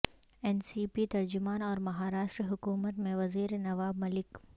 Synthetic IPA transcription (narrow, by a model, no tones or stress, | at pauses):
ɛnsiːpit̪ɐɾd͡ʒʊmaːnɔːɾmɐɦaːɾaːʃʈɾiɦʊkuːmət̪mẽʋɐziːɾenɐʋaːbmɐlɪk